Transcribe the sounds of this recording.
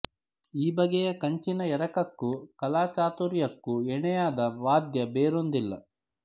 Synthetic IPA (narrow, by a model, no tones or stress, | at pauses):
iːbɐɡɛjɐkɐɲt͡ʃinɐɛɾɐkɐkːukɐlaːt͡ʃaːt̪uɾjɐkːuɛɳɛjaːd̪ɐʋaːd̪jɐbeːɾond̪ilːɐ̰